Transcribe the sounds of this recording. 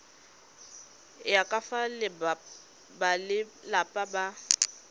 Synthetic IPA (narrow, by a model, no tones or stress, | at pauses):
jakʼafalɪ | balɪlapʼaba